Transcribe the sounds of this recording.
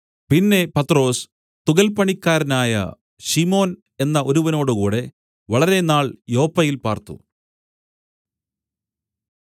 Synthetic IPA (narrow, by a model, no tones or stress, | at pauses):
pinːe̞pɐt̪ːro̞ːs | t̪uɣɐlpɐɳikʲːaːɾɐnaːjɐ̰ | ɕimo̞ːn | e̞nːɐʔoɾuʋɐno̞ːɽɨkuːɽe̞ | ʋɐɭɐɾe̞naːɭjo̞ːpːɐjilpaːrt̪ṵ